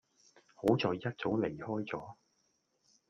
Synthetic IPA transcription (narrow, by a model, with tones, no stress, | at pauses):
ho˨˥wt͡sɔː˨˧jːɐ˥t̚t͡so˨˥wle˨˩jhɔː˥jt͡sɔː˨˥